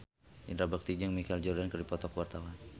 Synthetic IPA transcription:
indɾabak̚t̪id͡ʒəŋmikald͡ʒɔrdankərdipɔt̪ɔkwart̪awan

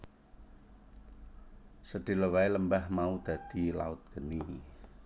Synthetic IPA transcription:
səɖ̥i̤ləwaeləmbahmaud̪̥ä̤d̪̥i̤la̰ʊt̪̚ɡ̥əni

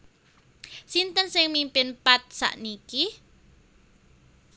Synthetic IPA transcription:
sint̪ənsɪŋmimpɪnpat̪̚sa̰ʔniki

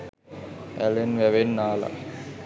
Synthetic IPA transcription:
ælenʋæʋenːaːla̰

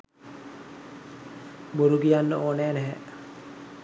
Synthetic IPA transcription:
buɾuɡijanːəoːnɛːnɛɦɛ

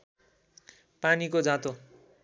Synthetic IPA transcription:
panikod͡zãt̪o

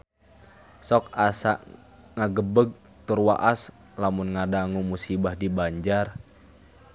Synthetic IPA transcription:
sɔk̚asa̰ʔ | ŋaɡəbəɡ̚ | t̪urwa̰ʔas | lamunŋadaŋumusibahdibaɲd͡ʒar

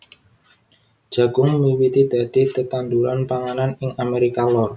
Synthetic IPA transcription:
d̥ʒ̥a̤ɡ̥ʊŋmiwit̪id̪̥a̤d̪̥i̤t̪ət̪and̪uɾanpaŋananɪŋameɾikalɔr

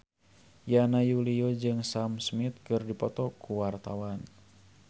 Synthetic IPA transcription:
janajuliɔd͡ʒɨŋsamsmit̪̚kɨrdipɔt̪ɔkuwart̪awan

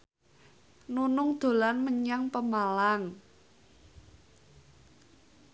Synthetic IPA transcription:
nunʊŋd̪̥o̤lanməɲaŋpəmalaŋ

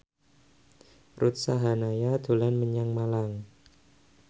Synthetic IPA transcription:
rut̪̚saɦanajad̪̥o̤lanməɲaŋmalaŋ

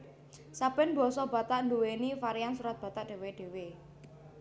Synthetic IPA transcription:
sabɪnbɔ̤sɔba̤t̪aʔnluwenifaɾijansuɾat̪̚b̥ä̤t̪aʔɖ̥e̤weɖ̥e̤we

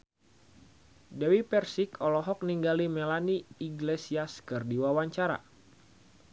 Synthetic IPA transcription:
dɛwipɛrsikɔlɔɦɔk̚niŋɡalimɛlaniːɡlesiaskɨrdiwawaɲt͡ʃaɾa̰

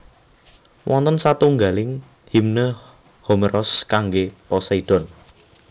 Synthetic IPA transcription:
wʔɔnt̪ənsat̪uŋɡalɪŋ | himnə | hɔmeɾʔɔskaŋɡepɔsaid̥ɔ̤n

